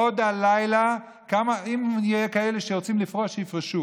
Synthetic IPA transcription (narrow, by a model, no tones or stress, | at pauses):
od̪alajla | kamaimjekaele̞ʃeʁot͡simlifʁoʃejifʁeʃu